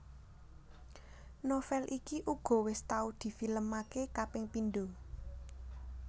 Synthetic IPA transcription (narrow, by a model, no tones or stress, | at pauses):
nofɛlʔikiʔuɡ̥ɔ̤wɪst̪aud̪̥i̤filəmakekapɪŋpind̪o